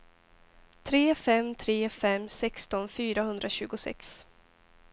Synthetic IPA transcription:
t̪ʰɾeːfɛmt̪ʰɾeːfɛmsɛkst̪ɔnfyːɾahɵnd̪ɾaɕʉ̟ːɡʊsɛ̰ks

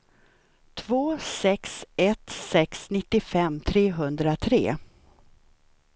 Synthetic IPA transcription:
t̪ʰvoːsɛksɛt̪sɛksnɪt̪ːɪfɛmːt̪ʰɾeːɦɵnd̪ɾat̪ʰɾḛː

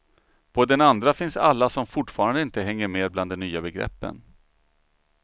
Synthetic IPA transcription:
pʰɔd̪ɛnand̪ɾafɪnsa̰lːasɔmfʊʈfɑːɾand̪əɪnt̪əɦɛŋːəɾmeːdbland̪ɛnyːabɛɡɾɛ̰pːə̰n

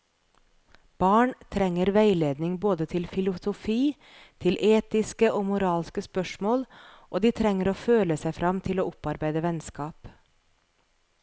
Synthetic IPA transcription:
b̥ɑːɳt̪ʰɾɛŋəɾʋæɪleːd̪nɪŋboːd̪ət̪ʰɪlfɪlʊsʊfiː | t̪ʰɪlʔeːt̪ɪskəʔoːmʊɾɑːlskəspœʃmoːlʔoːd̪iːt̪ʰɾɛŋəɾoːføːləsæɪfɾɑmt̪ʰɪloːʊpɑɾbæɪd̪əʋɛnskɑːp

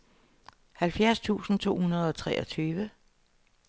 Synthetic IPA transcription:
hælfjæɐst͡sʰṵːsn̩t͡sʰo̝̰ːhunɐð̞ˠɒ̽t͡sʰʁɛʔɒt͡sʰyːʋə

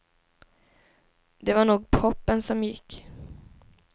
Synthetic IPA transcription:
d̪ɛvaɳuːɡ̚pʰɔpːənsɔmjɪkː

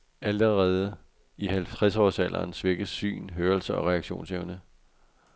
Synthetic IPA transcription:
æləʁɛːð̞ˠə | ihælt͡sʰʁɛsɒːsælʔɐ̰ːnsʋe̝ɡ̥əsy̰ːnɦøːɐlsɐɒ̽ʁɛɑ̈ɡ̥ɕo̝̰ːnseʊnə

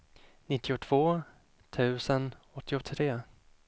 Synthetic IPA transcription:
nɪt̪ːɪʊt̪ʰv̥oː | t̪ʰʉ̟ːsən | ɔt̪ʰːɪʊt̪ʰɾeː

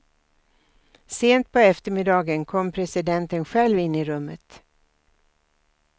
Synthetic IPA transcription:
seːnt̪̚pʰɔɛft̪əɾmɪd̪ɑːɡənkʰɔmːpʰɾɛsɪd̪ɛnt̪ənɧɛlvɪnːɪɾɵmːət̪

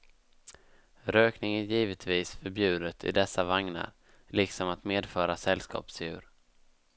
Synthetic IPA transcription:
ɾøːknɪŋæjiːvət̪ʰviːsfœɾbjʉ̟ːd̪ət̪ʰɪ̰d̪ɛsːavaŋna̰ɾ | lɪksɔmat̪meːd̪fœːɾasɛlskɑ̰ːpsjʉ̟ːɾ

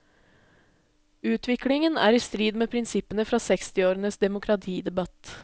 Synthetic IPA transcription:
ʉːt̪ʰʋɪklɪŋənæ̰ːɾiːst̪ɾiːd̪meːpʰɾɪnsɪpənəfɾɑːsɛkst̪ɪoːɾənəsd̪ɛmʊkʰɾɑt̪ʰiːd̪ɛbɑt̪

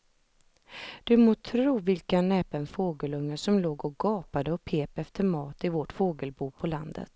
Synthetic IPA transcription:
d̪̥ɵmoːt̪ʰɾɾuːvɪlkanɛːpənfoːɡəlɵŋːəʂɔmloːɡɔɡ̥ɑːpad̪əɔpʰeːpɛft̪əɾmɑːt̪ɪvoʈfoːɡəlbuːpʰɔland̪ə̰t̪

